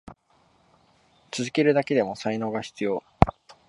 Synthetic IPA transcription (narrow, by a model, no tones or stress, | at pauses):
t͡sɨzɨke̞ɾɯ̟d̪ake̞d̪e̞mo̞saino̞ːɡaçi̥t͡sɨjo̞ː